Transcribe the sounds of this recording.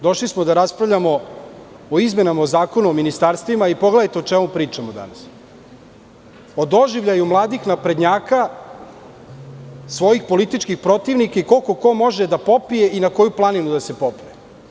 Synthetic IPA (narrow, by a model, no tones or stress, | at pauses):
d̪o̞ʃlismod̪aɾaspɾavʎamo̞ | oizme̞namaozaːko̞nuominist̪aɾst̪ʋimaipo̞ɡle̞d̪ajt̪eot͡ʃemupɾiːt͡ʂamod̪a̰nas | o̞d̪o̞ʒiʋʎajumlˠaːd̪ixnapɾe̞d̪ɲaːka | sʋo̞jixpo̞lit̪it͡ʃkixpɾo̞t̪iʋnikaiko̞lko̞ko̞mo̞ʒed̪apo̞pije̞ʔinako̞juplˠaninud̪asepopie